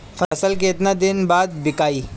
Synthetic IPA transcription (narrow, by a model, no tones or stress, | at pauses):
fʰɐsəlkeɪt̪nad̪ɪnbaːd̪̚bɪkaːiː